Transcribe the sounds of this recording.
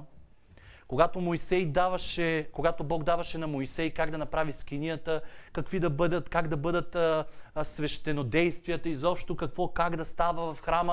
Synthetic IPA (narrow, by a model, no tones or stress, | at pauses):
koɡat̪omojsɛjd̪avɐʃɛkoɡat̪obɔɡd̪avɐʃɛnɐmoisɛjkaɡd̪ɐnɐpɾaviskʲinijət̪əkɐkvid̪ɐbəd̪ət̪kaɡd̪ɐbɤd̪ət̪ | svɛʃt̪ɛnod̪ɛjst̪viət̪əizɔpʃt̪okɐkvɔkaɡd̪ɐst̪avəvɐfxɾamə